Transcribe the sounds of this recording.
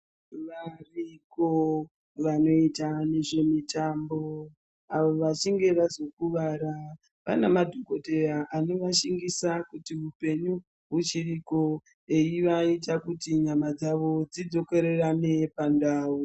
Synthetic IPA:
ʋariko | ʋano̞itane̞ʐe̞mitaːmbo̞ | aʋoʋat͡ʃiŋɡe̞ʋazo̞kuʋaɾa | pa̰namadʱoko̞te̞raʔanoʋaʃiŋɡisakutiʋupe̞ɲu | ɦut͡ʃiriko̞ | e̞jiʋaitakutiɲamad͡zaʋo̞d͡zid͡zo̞ke̞ɾerane̞pandaːu

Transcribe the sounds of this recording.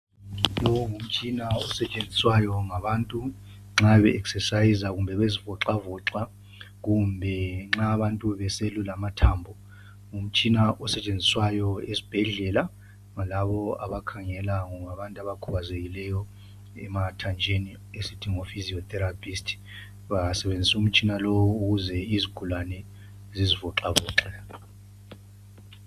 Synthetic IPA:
jɔŋum̩t͡ʃʼinaɔsɛt͡ʃʼend͡zʱiswajɔŋaβaːntʼu | ŋ͡ǁaβɛʔɛksɛsajizaɣumbʱɛβezivɔǁavɔǁa | ɣumbʱɛŋ͡ǁaːβantʼuβɛselulamatʰaːmbʱɔ | ŋum̩t͡ʃʼinaʔɔsɛt͡ʃʼend͡zʱiswajɔezib̥ʱɛɮɛla | ŋalaβɔa̰βakʰaŋɛlaŋɔmaβantʼaβakʰuβazeɣilɛjɔ | ɛ̰matʰand͡ʒʱeni | esitʰiŋofiziɔt̪ɛɾapʰʼistʰʼi̥ | βasɛβend͡zʱisum̩t͡ʃʼinalɔwuɣuzɛiziɡ̥ʰulanɛ | zizivɔǁaβɔːǁɛ

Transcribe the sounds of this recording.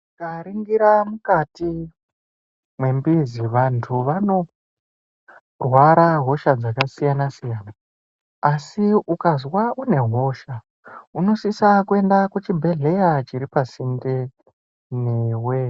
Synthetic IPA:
kaɾiŋɡiɾamukati | mwe̞mbiziʋantʰuʋano̞ | rwaɾaɦo̞ʃad͡zakasijanasijanaː | siukazwaʔune̞ɦo̞ʃa | uno̞sisakue̞ndakut͡ʃibʱe̞ɮe̞jat͡ʃiɾipasinde | neːwe

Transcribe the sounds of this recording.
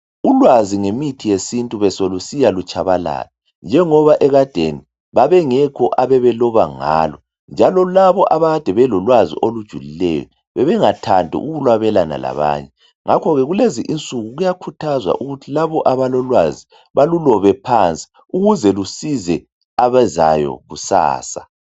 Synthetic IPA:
ulwaziŋemitʰijesintʼuβɛsolusijalut͡ʃʼaβala̰ːla | nd͡ʒʱɛŋɔβaʔɛɣad̥ʱeni | βaβɛŋɛkʰɔʔaβɛβɛlɔβaŋa̰ːlɔ | nd͡ʒʱalɔlaβɔʔaβad̥ʱɛβɛlɔlwazḭʔolud̥ʒ̥ʱulilɛ̰jɔ̰ | βɛβɛŋatʰandʱḭʔuɣulwaβɛlana̰la̰βa̰ːɲɛ | ŋakʰɔɣɛɣuleziʔint͡sʼuɣuɣujakʰutʰazwa̰ʔuɣutʰilaβɔʔaβalɔlwazi | βalulɔβɛpʰant͡sʼi̥ | uɣuzɛlusizɛ | aβɛzajɔ̰ɣusa̰ːsa

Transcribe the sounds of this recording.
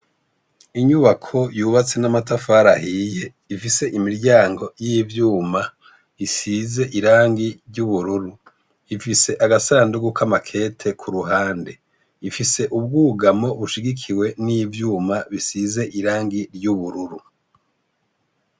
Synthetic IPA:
iɲuβakʰo̞juːβat͡se̞namatafaɾahiːje̞ | ifise̞ʔimiɾɟaːŋɡo̞jivjuːma | isize̞ʔiɾaːŋɡiɾɟuβuɾuɾu | ifise̞ʔaɡasaːnduɡukamakʰe̞tʰe̞kʰuɾuɦaːnde̞ | ifise̞ʔubɡuːɡamo̞βuʃiɡikʰiwe̞nijvjuːmaβisize̞ʔiɾaːŋɡiɾɟuβuɾuɾu

